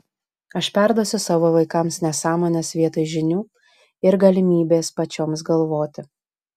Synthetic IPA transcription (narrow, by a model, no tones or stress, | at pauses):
ɐʃpʲɛˑɾd̪uɔsʲʊsɑːʋoːʋɐɪkɐmsnʲɛsɑːmoːnʲɛsʋʲiɛt̪oɪʒʲɪnʲuː | ɪɾɡɐlʲɪmʲiːbʲeːspɐt͡ʃʲoːms̬ɡɐlˠʋoːt̪ʲɪ